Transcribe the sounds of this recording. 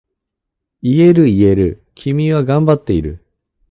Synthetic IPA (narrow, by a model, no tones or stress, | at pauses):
ie̞ɾɯ̟ie̞ɾɯ̟ | kʲʰimʲiβaɡãmbat̪ːe̞ḭɾɯ̟̰